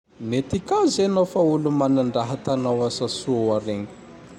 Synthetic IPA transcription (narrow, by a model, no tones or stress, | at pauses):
net̪ikazenofaulumanaɳɖ͡ʐaɦat̪anawasasuaɾeŋə̥